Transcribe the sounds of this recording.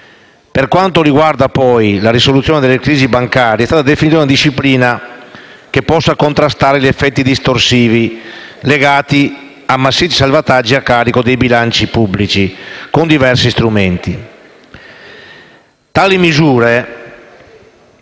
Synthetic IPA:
perkwant̪oɾiɡward̪apɔjlaɾisolut̪sːjɔːned̪elːekɾiːzibaŋkaːɾiɛst̪aːt̪ad̪efinit̪aunad̪iʃːipliːna | kepːɔsːakont̪ɾast̪aːɾeʎɛfːɛt̪ːid̪ist̪oɾsiːvileɡaːt̪i | amːasːiːt̪i̥salvat̪ad͡ʒːiakːaːɾikod̪ejbilant͡ʃipubːlit͡ʃikond̪ivɛrsist̪ɾument̪i | t̪aːlimizuːɾe

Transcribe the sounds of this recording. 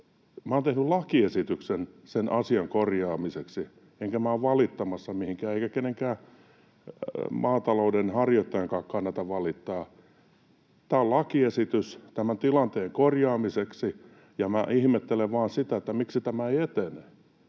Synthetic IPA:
mæoːnt̪ehnyllɑkiesit̪yksensenʔɑsiɑŋkorjɑːmiseksi | eŋkæmæoːʋʋɑlit̪ːɑmɑsːɑmihiŋkæːeikækeneŋkæː | mɑːt̪ɑloudenhɑrjot̪ːɑjɑŋkɑːkkɑnːɑt̪ɑʋɑlit̪ːɑː | t̪æːollɑkiesit̪yst̪æmænt̪ilɑnt̪eːŋkorjɑːmiseksi | jɑmæ̰ʔihmet̪ːeleʋʋɑːnsit̪æet̪ːæmiksit̪æmæeiet̪ene

